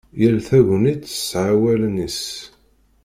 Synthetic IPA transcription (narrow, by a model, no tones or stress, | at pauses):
jəlθæʝnid̪ə̥sʕawælnis